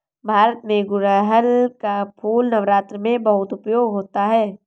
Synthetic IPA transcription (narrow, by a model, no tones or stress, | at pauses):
bʱaːɾət̪mẽɡʊɾəɦəlkapʰuːlnɐʋɾaːt̪ɾəmẽbɐɦʊt̪ʊpjoːɡɦoːt̪aɦɛː